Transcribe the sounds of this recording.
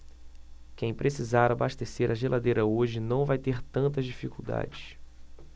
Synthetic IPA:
kẽj̃pɾʔesizaɾabaʃt̪eseɾʔaʒelʔad̪ejɾɐoʒɪnɐ̃w̃vajt̪eɾt̪ɐ̃nt̪ɐzd͡ʒifikuwd̪a̰d͡ʒɪs

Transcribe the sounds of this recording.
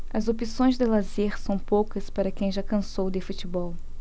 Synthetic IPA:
ɐzopisõj̃zd̪ɪlazeɾsɐ̃w̃pokɐspaɾɐkẽj̃ʒakɐ̃sowd̪ɪfutibɔw

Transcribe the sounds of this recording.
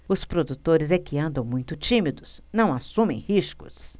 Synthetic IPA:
ʊspɾod̪ut̪oɾɪzɛkɪɐ̃nd̪ɐ̃w̃mũj̃t̪ʊt͡ʃimid̪ʊsnɐ̃w̃asũmḛ̃j̃hiʃkʊ̰s

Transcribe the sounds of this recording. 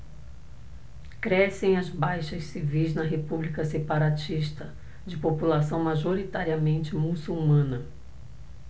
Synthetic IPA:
kɾɛsẽj̃ɐzbajʃɐssivijznɐɦepublikɐsepaɾat͡ʃiʃt̪ɐ | d͡ʒɪpopulasɐ̃w̃maʒoɾit̪aɾiɐmẽnt͡ʃɪmusuwmɐ̃nɐ

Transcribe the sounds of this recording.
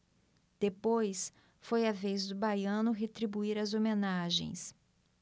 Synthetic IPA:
d̪̥epojs | fojɐvejzd̪ʊbajɐ̃nʊɦet̪ɾibuiɾɐzomenaʒḛ̃j̃s

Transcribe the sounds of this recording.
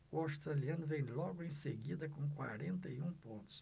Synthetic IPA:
uawst̪ɾaliɐ̃nʊvẽj̃lɔɡʊẽj̃seɡid̪ɐkõkwa̰ɾẽnt̪ɐiũpõnt̪ʊ̥ʃ

